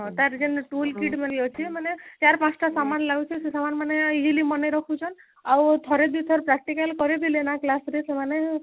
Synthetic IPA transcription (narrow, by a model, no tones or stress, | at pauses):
ɦɔ̃t̪aɾd͡ʒenʈulkiʈmeliɔt͡ʃʰimanet͡ʃaɾpãt͡ʃʰʈasamanlaɡut͡ʃʰisesamanmaneid͡ʒilimɔneɾɔkʰut͡ʃʰɔn | awt̪ʰɔɾed̪it̪ʰɔɾpɾak̚ʈikalkɔɾed̪ilenaklasɾesemane